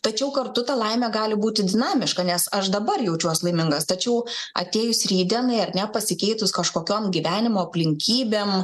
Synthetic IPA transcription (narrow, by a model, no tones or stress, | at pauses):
t̪ɐt͡ʃʲɛʊkɐrt̪ʊt̪ɐlˠɐɪmʲæːɡɑːlʲɪbuːt̪ʲɪd̪ʲɪnɑːmʲɪʃkɐnʲɛsɐʃd̪ɐbɐrjɛʊt͡ʃʲuɔslˠɐɪmʲɪŋɡɐst̪ɐt͡ʃʲɛʊɐ̰t̪ʲeːjʊsʲɾʲiːd̪ʲɛnɐɪɐɾnʲɛpɐsʲɪkʲɛɪt̪ʊskɐʃkoːkʲoːmɡʲiʋʲæːnʲɪmoːɐpʲlʲɪŋʲkʲiːbʲeːm